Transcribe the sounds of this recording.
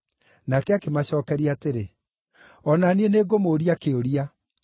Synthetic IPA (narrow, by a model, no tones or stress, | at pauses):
nakɛakemaɕɔːkɛɾiateɾe | ɔnanieneːɡomoːɾiakeoɾia